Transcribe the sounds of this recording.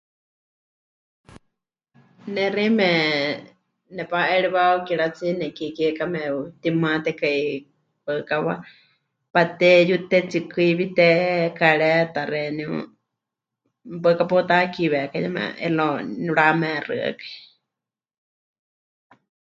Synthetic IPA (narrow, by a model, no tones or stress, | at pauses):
nɛrimɛ | nɛpaʔɛɺiβaukiɺat͡sinɛkikikamɛut̪imɨãt̪ɛkai | pəkawa̰ | pat̪ɛjut̪ɛt͡sikɨiβit̪ɛkaɺɛt̪aɾɛniṵ | bəkapɔt̪akiβɛkajɛmɛ̰ɛ̰lɔniɺamɛrɨ̰a̰kḁi